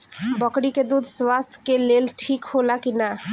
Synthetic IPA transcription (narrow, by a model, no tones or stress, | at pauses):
bəkɽiked̪ud̪ʱswast̪ʰkelelʈʰikɦolakina